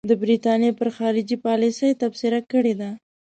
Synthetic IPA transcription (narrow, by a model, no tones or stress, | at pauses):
d̪əbɾit̪ɑnjepəɾxɑɾɪd͡ʒipɑlisəjt̪absɪɾakəɽed̪a